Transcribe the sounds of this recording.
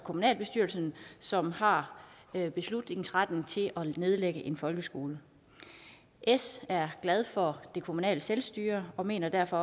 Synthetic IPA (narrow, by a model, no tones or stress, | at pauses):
kʰo̝munɛ̰ːlb̥e̝sd̥yɐlsn̩sɒ̽mhɑ̈ | b̥e̝slud̥ne̝ŋn̩sʁad̥neŋt͡sʰe̝lʔɒ̽ne̝ð̞ˠleɡ̥əʔe̝nfɒ̽lɡ̥əsɡ̥o̝ːlə | ʔesæɐɡ̥lɛð̞ˠfɒ̽d̥e̝kʰo̝munɛ̰ːləselsd̥yːɐɒ̽me̝̰ːnɐd̥æɐfɒ̽